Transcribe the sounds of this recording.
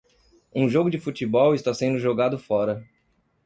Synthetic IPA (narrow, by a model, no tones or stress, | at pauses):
ũʒoɡʊd͡ʒɪfut͡ʃibɔwɪst̪asẽnd̪ʊʒoɡad̪ʊfɔɾɐ